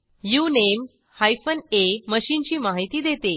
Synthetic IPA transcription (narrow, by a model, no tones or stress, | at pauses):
junem | hajfəneməɕiːnt͡ɕiːmaɦit̪iːd̪et̪e